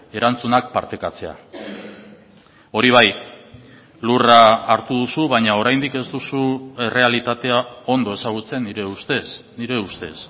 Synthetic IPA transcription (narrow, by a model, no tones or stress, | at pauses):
e̞ɾant͡sunak̚paɾt̪e̞kat͡se̞a̰ | o̞ɾiβ̞aj | luraːɾt̪uð̞usuβaɲao̞ɾajnd̪ike̞zd̪usue̞re̞alit̪at̪e̞ao̞nd̪o̞e̞saɣ̞ut͡se̞niɾe̞ust̪esniɾe̞ust̪e̞s